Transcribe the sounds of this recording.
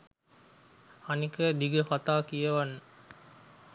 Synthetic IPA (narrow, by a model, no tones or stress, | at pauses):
anikəd̪iɡəkat̪aːkijɐʋanːə